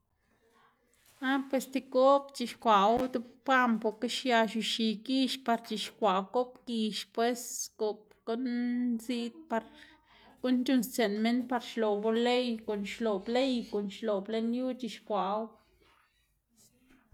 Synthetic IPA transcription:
a˦pwe˧st̪i˧ko˦pt͡ʃi˧˨ʃkʷa˨˦wd̪u˦bpa˦mpo˧˨ɾke˦ʃja˧ʃu˧ʃi˨ki˦ʃpa˧ɾt͡ʃi˨ʃkʷa˨wko˦pki˧ʃpwe˦sɡo˨p̚ | ko˦nzi˦d̪̚pa˧ɾ | ɡ̥u˦nt͡ʃu˧nst͡se˨nme˦npa˧ɾʃlo˨bo˧le˦jko˨nʃlo˨ble˦jko˨nʃlo˨ble˦nju˦t͡ʃi˧ʃkʷa˨˦w

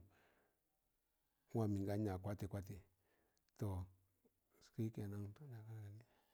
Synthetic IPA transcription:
ã˧˨mĩ˨ŋɡa˦ɲã˨kʷa˦t̪i˧kʷa˦t̪i˨ | t̪o˨ | ski˦ke˧˨nã˦˧t̪o˦na˨ka˦na˧ɡa˧ni˦

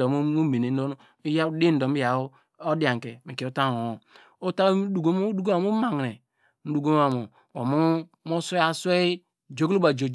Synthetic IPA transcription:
ɔ˨m˦u˦me˨ne˨n̩˦o˦n˦ | i˦ja˦di˦n̩˨˦dɔ˨mi˦ja˨˦ | o˦di˦a˨ŋkɛ˨mi˨ki˨o˦ta˦˨o˨o˨ | o˦ta˦du˨ɡo˦mu˦du˦ɡo˦a˨mu˦ma˨ŋ˨ɾe˨ | n̩˦du˨ɡo˦m˦a˨mo˨ | wo˨mu˦ | mo˦se˦a˦se˦i˦ | d͡ʒo˨˦ɡlu˦ba˨d͡ʒo˨

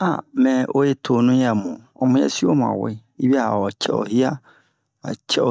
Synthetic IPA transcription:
a̰˨mɛ̃˨ʔo˦je˦tʰo˨nʊ̃˦jɛ˨mʊ̃˨ | ɔ˨mʊ̃˦ɛ̰˦si˦o˦mʊ̃˨a̰˨wɪ̰˦ | i˦bi˦a˦ha̰˨ɔ˨t͡ɕʰɛ̰˦˨ɔ̰˨hi˦a˦ | a̰˨t͡ɕʰɛ˦ɔ˨

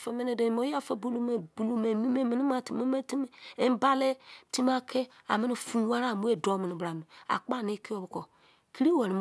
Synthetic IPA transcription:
fe˨me˦ne˨de˨mo˦ja˦fe˨bu˦lu˦me˨bu˨lu˦me˨mi˦me˦mi˨ni˦ma˦˨tmo˦me˦ti˦m˦e˦m˦ba˦le˦ti˦m˦a˦kʰe˦a̰˨mi˦ni˦fu˦wa˦ɾa˦˨mu˦e˦do˦mi˨ni˨bɾa˨nu˨a̰˨k͡pa˦˨ni˦ki˦o˦bko˨ | ki˦ɾi˦we˨ɾi˨m

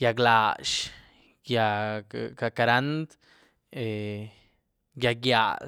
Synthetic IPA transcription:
ja˧ɡla˨ʃ | ja˧ka˧ka˧ɾa˦nd̪ | e | ɡja˧ɡja̰˨

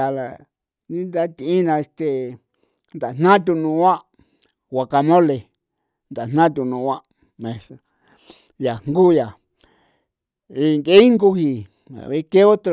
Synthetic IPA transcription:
a˨la˧ | nĩ˦nd̪a˦t̪i˧ĩ˦nã˧e˧st̪e˧˨ | nd̪a˨n̥nã˦t̪̬ʲu˧nũ˧˦ã˦ʔ | wa˨ka˧mõ˦le˨ | nd̪a˨n̥nã˦t̪u˧nũ˧wʷã˦ʔ | mẽ˧s | ja˨ŋŋɡu˦ja˨ | i˧ŋɡe˦i˦ŋɡu˦hi˧ | a̰˨βe˦ke˦o˦t̪

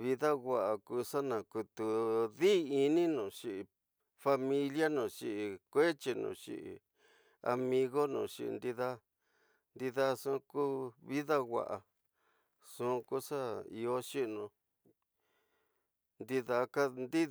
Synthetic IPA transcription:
βi˧ða˦ɣwa˨ʔa˨ku˧ʂa˦nã˨ku˧t̪u˨ði˦˧i˧nĩ˦nũ˨ʂi˧i˧ | fa˧mĩ˧lja˦nũ˨ʂi˧ʔi˨kʷe˦t͡ʃi˧nṵ̃˨˧˨ʂḭ˧ʔḭ˨˧ | a̰˧mĩ˧ɣo˦nṵ̃˨ʂḭ˧ʔnd̪i˧ða˦ | nd̪i˧ða˦˧sũː˦˧ku˦βi˦ða˦ɣʷa̰˨ʔa˨ | ʂũ˦˧ku˦ʂa˦i˧o˦ʃi˦ʔnũ˧ | nd̪i˧ða˧ka˦nd̪i˦

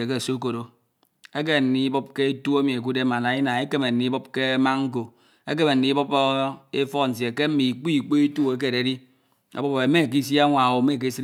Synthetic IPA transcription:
e˨ke˦˨so˦ko˨ɾo˨ | e˦k̬e˦˨n̩˨ni˦bo˦p̚ke˦e˦tu˦e˦mi˨e˨k̬u˦de˦ma˨na˨i˦na˨e˦ke˦me˨n̩˨ni˨˦bɔ˦p̚ke˦ma˦ŋŋ̩˦ko˨ | e˦k̬e˦me˨n̩˨ni˦bo˦pe˦fɔ˦˨n̩˨s̬je˨ke˦m̩˦mi˨k͡pi˦i˨k͡po˦e˦tu˦e˦k̬e˦˨ɾe˨˦i˦ | a̰˨bo˦pe˨˦me˦˨k̬i˦s̬ja˦ŋʷa˨wo˨me˦˨k̬i˦si˦

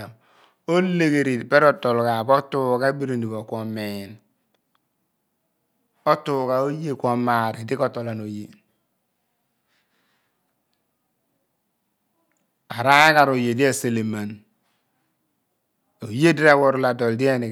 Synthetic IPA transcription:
o˦le˦˨ɡe˨ɾi˨pe˦ɾo˨to˨lka˨bo˦tu˦ka˦bi˦ɾi˨ndi˨bo˨ko˨mːe˨n | o˦tu˦˨ka˨o˦je˦˨kʷo˨mːa˨ɾi˨di˦ko˦to˨la˨no˨je˦ | a˨ɾa˦ji˦ka˨ɾo˨je˨di˦e˦se˨le˨ma˨n | o˨je˦di˦ɾa˦˨wo˨ɾu˨la˨do˨ldi˦e˦ni˨

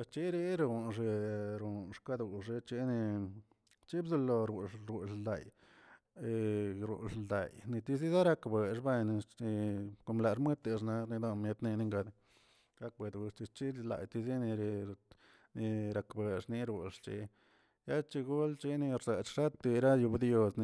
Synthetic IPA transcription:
e˧st͡ʃi˦ɾi˦ɾu˨nʐ̬e˧ɾu˨nʂka˦d̪u˨ʂe˧t͡ʃi˧ni˧ | t͡ʃi˦bzu˧lo˧ɾu˨ɾu˨ʂd̪a̰˨j | e˨ɾṵ˨ʂd̪a̰˨jni˧t̪i˧zi˦za˦ɾa˧kbe˨ʂba˦˧n˧i˧ko˧mla˧ʂm˦e˦t̪e˧ʂ̬na˧ni˧d̪o˧mje˧t̪ni˧ni˧ŋɡa˧d̪ | ɾa˧k̚be˨d̪wu˧ʂt͡ʃi˧t͡ʃi˦la̰˨jt̪i˧zi˦ni˧ɾ | ni˧ɾa˧kbe˨ʂni˧ɾu˧˨ʂt͡ʃḭ˧ | ja˦t͡ʃi˧ɡu˦lt͡ʃi˦ni˧ɾza˨t͡ʃʂa˦t̪i˧ɾa˦ju˧bd̪jo˧sn˧

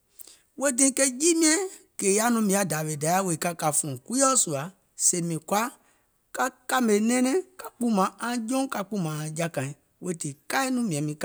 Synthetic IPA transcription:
we˦dĩ˦ke˦d͡ʒi˦mĩ˦ɛ̃˦ | ke˨ja˦nũ˧mĩ˧˦a˨da˨vi˨da˨˦ja˦we˨i˨ka˦ka˨fũ˨ku˦ɔ˦su˨a˨ | se˨mĩ˨kwa˦ | ka˦ka˦me˨nɛ̃˦nɛ̃˦ka˦k͡pu˦mã˨ã˦d͡ʒõ˦ka˧k͡pu˦mã˨ã˨d͡ʒa˦kã˨ĩ˨ | we˦ti˨ka˦i˦nũ˦mĩ˨ɛ̃˨mĩ˦ka˦

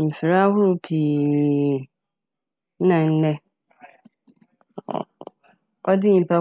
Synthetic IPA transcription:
m̩˨fɪ˨ɾa˦a˦hʊ˦ɾʊ˦pʰiː˨˦ | nã˨n̩˦nɛ˦˨ | ɔ˦dɪ˦ɲ̩˨pʰa˦

